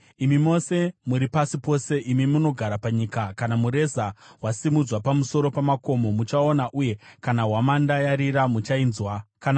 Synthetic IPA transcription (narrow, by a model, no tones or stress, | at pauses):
imimo̞se̞muɾipasipo̞se̞ʔimimuno̞ɡʱaɾapaɲikakanamuɾe̞zawasimud͡zwapamuso̞ɾo̞pamako̞mo̞mut͡ʃaonaʔuje̞kanaɦwamandajaɾiɾamut͡ʃainzwakan